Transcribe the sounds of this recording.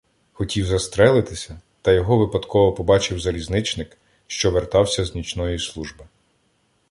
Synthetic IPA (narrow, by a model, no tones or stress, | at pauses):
xɔtʲiwzɐst̪ɾɛlˠɪt̪ɪsʲɐ | t̪ɐjɔɦɔʋɪpɐd̪kʰɔʋɔpɔbɑt͡ʃɪwzɐlʲiznɪt͡ʃnɪk | ʃt͡ʃɔʋert̪ɑwsʲɐznʲit͡ʃnɔjislˠuʒbɪ